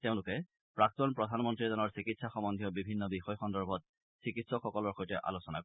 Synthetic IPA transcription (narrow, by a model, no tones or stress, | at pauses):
teʊ̃lʊkɛ | pɹak̚tɔnpɹɔdʱanmɔntɹizɔnɔɹsikitsaxɔmɔndʱiɔbibʱinːɔbixɔjɔxɔndɔɹbʱɔt̚ | sikitsɔkxɔkɔlɔɹxojtɛʔa̰losɔna̰